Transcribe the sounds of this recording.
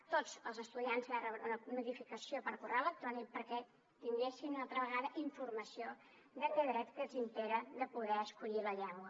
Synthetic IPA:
t̪od͡zəlˠzəst̪uðianzərəβunənuðifikəsiopəɾkurɛlək̚t̪ɾɔnipəɾkɛ | t̪iŋɡeʃinunalˠt̪ɾəβəɣaðəʔiɱfuɾməsio | ðəkeðɾɛt̪kəzimpeɾəðəpuðɛəskuʎiləʎɛŋɡwə

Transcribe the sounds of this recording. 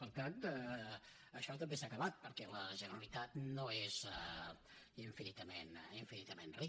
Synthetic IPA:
pəɾk̪ant̪ə | əʃɔt̪əmbesakəβat̪̚pəɾkɛləʒənəɾəlit̪at̪noezɛ | iɱfinit̪əmeniɱfinit̪əmenri

